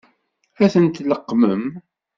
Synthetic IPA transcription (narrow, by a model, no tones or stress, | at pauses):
æθənt̪ləqːməm